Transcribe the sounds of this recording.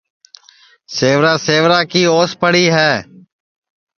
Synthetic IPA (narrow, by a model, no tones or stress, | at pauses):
seːʋɾaːseːʋɾaːkiːoːspəɽiːɦɛː